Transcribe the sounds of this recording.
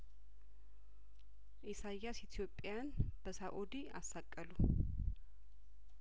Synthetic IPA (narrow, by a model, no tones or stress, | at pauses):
ʔisajasit̪ʰijo̞pʼːjanb̥əsaʔod̪iasːakʼːəlu